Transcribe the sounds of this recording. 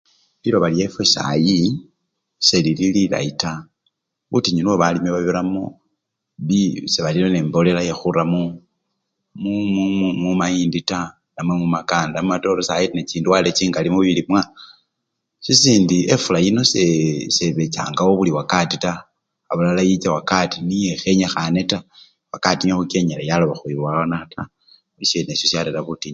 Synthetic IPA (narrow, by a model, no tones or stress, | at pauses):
βiloβalje̞fwesa̰ji | se̞lililila̰ita | βutiɲinuwoβalimeβaβiɾamo | βiseβaliloneːmbo̞le̞laje̞xuɾamu | mumumumajiːndita | namwemumakaːndamumato̞ɾosajitneciːnduwale̞t͡ʃiːŋɡalimuβiβilimwa | sisiːndie̞fulajino̞seseβet͡ʃa̰ːŋɡawoβuliwakatitaː | βulalajit͡ʃawakatinije̞xe̞ɲaxane̞ta | wakatiɲexuke̞ɲelajaloβaxuiβwaanaata | ulisenesjosjalelaβutiɲ